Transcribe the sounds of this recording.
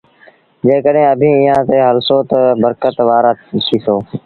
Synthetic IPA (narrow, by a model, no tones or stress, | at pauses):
d͡ʒeːkəɗɦẽːəbʱĩːɪjãːt̪eːɦəlsoːt̪əbəɾkət̪ʋaːɾaːtʰiːsoː